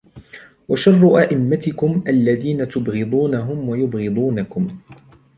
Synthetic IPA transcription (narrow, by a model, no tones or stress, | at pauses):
waʃɑrˤːʊʔaʔɪmːat̪ɪkʊmʔalːaðiːnat̪ʊbɣɨd̪ˤuːnaɦʊmwajʊbɣɨd̪ˤuːnakʊm